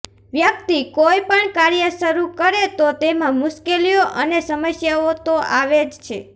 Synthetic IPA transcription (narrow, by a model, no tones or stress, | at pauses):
ʋjək̚t̪ikojpəɳkaɾjəʃəɾukəɾet̪ot̪emãmʊʃkelioʔənesəməsjaot̪oʔaʋed͡ʒt͡ʃʰḛ